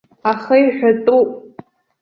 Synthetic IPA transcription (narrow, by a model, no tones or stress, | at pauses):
aχəjħʷᶣatʼupʼ